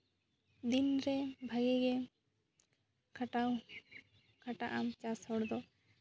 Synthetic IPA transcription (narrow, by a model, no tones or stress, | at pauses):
d̪inɾɛbʱaɡɛɡɛ | kʰaʈaw | kʰaʈaʔamt͡ʃashɔɽd̪ɔ